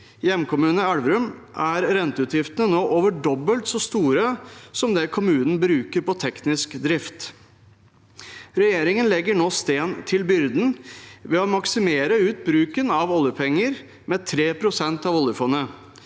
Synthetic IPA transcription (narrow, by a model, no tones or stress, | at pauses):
jɛmkʊmʉːnəɑɽʋəɾʉmʔæɾɾɛnt̪əʉːt̪jɪft̪ənənoːʔoʋəɖɔbːəlt̪sɔst̪uːɾəsɔmd̪ɛkʰʊmʉːnən̩bɾʉːkəɾpɔt̪ʰɛknɪskd̪ɾɪft̪ | ɾɛjeːɾɪŋənlɛɡːəɳoːst̪eːnt̪ʰɪlbʏɾd̪n̩ʋɛɔmɑksɪmeːɾəʉːt̪̚bɾʉːkənɑʋɔljəpʰɛŋːəɾ | mɛt̪ʰɾeːpʰɾʊsɛnt̪ɑʋɔljəfɔnːə